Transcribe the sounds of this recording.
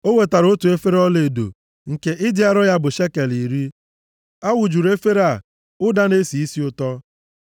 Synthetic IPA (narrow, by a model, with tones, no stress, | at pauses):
o˦we˨ta˨ɾo˦tu˨e˦fe˦ɾe˦ɔ˦le˨do̰˨ | ŋ̩˨ke˦ʔɪ˦dɪ˦a˦ɾɔ˦ja˦bʊ˨ʃe˦ke˨li˨ɾi˦ | a˦wʊ˨d͡ʒu˨ɾe˦fe˦ɾa˨ | ʊ˦da˦ne˦si˨i˦si˦ʊ˦tɔ˦